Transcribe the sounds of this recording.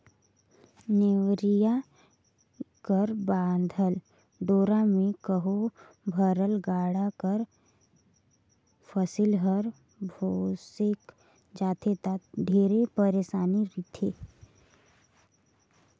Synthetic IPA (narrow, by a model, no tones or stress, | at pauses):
neʋɾija | kəɾbãːnd̪ʱəl | ɖoːɾamẽkəɦo | bʱəɾəlɡaːɽakəɾ | fʰəsɪlɦəɾ | bʱoːsɪk | d͡ʒaːt̪ʰet̪at̪ɖʱeːɾepəɾeːʃaːniɾit̪ʰeː